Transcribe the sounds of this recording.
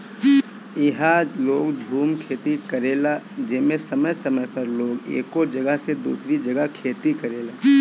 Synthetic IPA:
ɪɦaloːɡd͡ʒʱuːmkʰeːt̪ikəɾeːlad͡ʒeːmẽsəməjsəməjpəɾloːɡḛːkod͡ʒəɡəɦsed̪ṵːsɾid͡ʒəɡəɦkʰeːt̪ikəɾeːlaː

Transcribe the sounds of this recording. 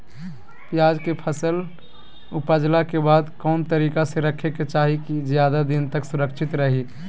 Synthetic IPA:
pjaːd͡ʒkepʰəsəl | ʊpad͡ʒlakebaːd̪kɔːnt̪əɾiːkaseɾəkʰeket͡ʃaːɦikid͡ʒjad̪ad̪ɪnt̪əksʊɾəkʃʰɪt̪ɾəɦi

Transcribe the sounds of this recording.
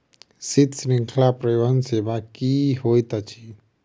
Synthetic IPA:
sit̪snĩŋkʰlapɾəjoɦənsebakiɦojt̪ət͡ʃʰi

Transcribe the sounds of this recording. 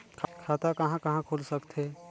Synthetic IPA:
kʰkʰaːt̪akɐɦãkɐɦãkʰoːlsɐkt̪ɦeː

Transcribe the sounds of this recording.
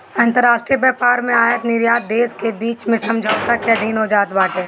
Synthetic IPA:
ɐ̃nt̪əɾːaːʃʈɾiːəbɛːpaːɾmẽaːjət̪nɪɾjaːt̪̚d̪eːskebiːt͡ʃmẽsɐmd͡ʒʱəʊsakɛd̪ʱiːnɦod͡ʒaːt̪baːʈẽː

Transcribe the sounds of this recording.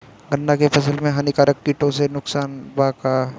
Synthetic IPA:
ɡɐnːakepʰɐs̬əlmẽɦɐnikaːɾəkːiːʈõsenʊksaːnbaka

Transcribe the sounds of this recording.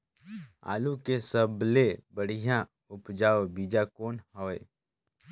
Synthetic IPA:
a̰ːlukesəblebəɽ̤ijã | ʊpd͡ʒaːʋbiːd͡ʒakoːnhɔːḛ

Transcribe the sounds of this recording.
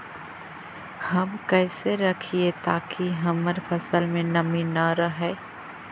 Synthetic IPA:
hɐmkɛːseɾɐkʰiet̪aːkiɦɐməɾpʰəsəlmẽnɐminəɾəɦeː

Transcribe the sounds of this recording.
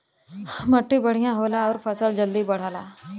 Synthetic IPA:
mɐʈːibɐɽ̤ijãɦoːlaɔːɾfʰəsəld͡ʒəld̪ibɐɽ̤aːlaː

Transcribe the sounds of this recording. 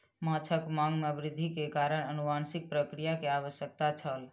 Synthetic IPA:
mat͡ʃʰəkmaŋɡmeʋɾɪd̪ʱːikekaɾəɽ̃ənuʋansik̚pɾəkɾijakeaʋəsjək̚t̪at͡ʃʰəl

